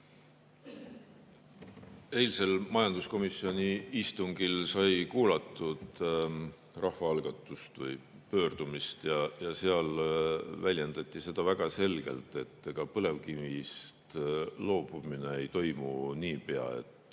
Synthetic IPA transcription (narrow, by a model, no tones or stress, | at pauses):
e̞ːlse̞lmɑjɑnd̪usko̞misːio̞nʲiist̪uŋɡ̥ilsɑjkuːlɑt̪ːˑud̪̥ | rɑhvɑɑlɡ̥ɑt̪ːˑust̪vɯj | pø̞ːrd̪̥umist̪jɑjɑseɑl | vælʲje̞nd̪ɑt̪ʲːˑise̞d̪̥ɑvæɡ̥ɑse̞lɡ̥e̞̰lt̪ˑe̞t̪ːeɡ̥ɑpɤle̞vkivist̪lo̞ːb̥umine̞ejt̪o̞jmuniːpe̞ɑ̰e̞̰t̪ːˑ